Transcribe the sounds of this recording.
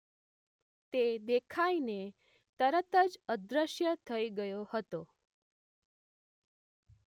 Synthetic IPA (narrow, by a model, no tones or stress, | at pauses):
t̪ed̪ekʰaine | t̪əɾət̪əd͡ʒəd̪ɾəʃjət̪ʰəiɡəjohət̪o